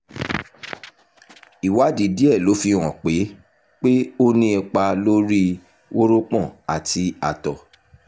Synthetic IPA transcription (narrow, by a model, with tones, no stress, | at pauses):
i˨wa˨˦di˨˦di˦ɛ˦˨lo˨˦fi˧ɾ̃ɔ̃˨k͡pe˨˦ | k͡pe˦o˦nĩ˦ɛ˧k͡pa˧lo˦ɾi˦ | wʔo˦ɾo˦k͡pɔ̃˦˨a˨tʰi˧a˨tɔ˨